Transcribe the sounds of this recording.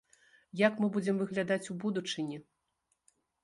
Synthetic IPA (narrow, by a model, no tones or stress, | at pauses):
jakmɨbud͡zʲɛmvɨɣlʲad̪at͡sʲubud̪ut͡ʂɨnʲi